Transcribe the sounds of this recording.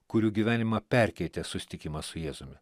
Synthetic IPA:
kʊɾʲuːɡʲiʋʲæːnʲɪmɐpʲæˑɾʲkʲɛɪt̪ʲɛsʊsʲɪ̥t̪ʲɪkʲɪmɐsʊjeːzʊmʲɪ

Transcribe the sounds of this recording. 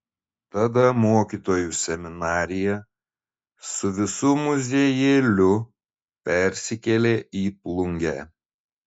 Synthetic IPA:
t̪ɐd̪ɐmoːkʲiːˑt̪oːjusʲɛmʲɪnɑːɾʲɪjɛ | sʊʋʲɪsuːmʊzʲeːjeːlʲʊ | pʲɛɾʲsʲɪkʲɛlʲeːiːplˠʊŋʲɡʲæ

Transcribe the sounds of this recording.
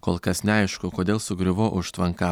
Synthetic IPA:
koːlˠkɐsnʲɛɐɪʃkʊkoːd̪ʲeːlˠsʊɡɾʲɪʋoːʔʊʃt̪ʋɐŋkɑː

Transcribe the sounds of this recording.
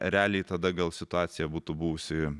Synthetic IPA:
ɾʲæːlʲɛɪt̪ɐd̪ɐɡɐlˠsʲɪt̪ʊɑːt̪sʲɪjɛbuːt̪ʊbuʋʊsʲɪ

